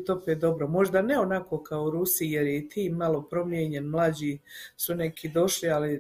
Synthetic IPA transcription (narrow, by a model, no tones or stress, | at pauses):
t̪opet̪̚d̪o̞bɾomo̞ʒd̪aneonako̞kaouɾusijeɾjet̪ʰiːmalˠo̞pɾo̞mjeɲe̞nmlˠaːd͡ʑisunekʰid̪o̞ʃliali